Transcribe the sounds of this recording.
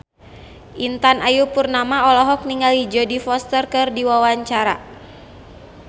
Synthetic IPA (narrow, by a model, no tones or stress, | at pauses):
ʔint̪anajupurnamaɔlɔɦɔk̚niŋalid͡ʒɔdifɔst̪ərkɨrdiwawaɲt͡ʃaɾa̰